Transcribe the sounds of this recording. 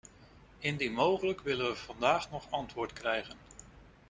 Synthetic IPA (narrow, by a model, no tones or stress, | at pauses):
ɪndimowχələkʋɪlənʋəv̥ɑndaːχnɔχɑntʋʊːɹtkrɛjχən